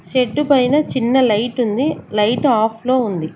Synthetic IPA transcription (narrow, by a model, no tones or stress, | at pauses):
ʃeɖːupɐjinɐt͡ʃinːɐlɐjʈund̪ilɐjʈaːpʰlo̞ːund̪i